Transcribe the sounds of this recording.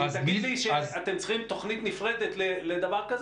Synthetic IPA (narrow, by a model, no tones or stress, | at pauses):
zbiiʃeazat̪emt͡sχimt̪o̞χnit̪nifʁed̪et̪leled̪avaʁkaz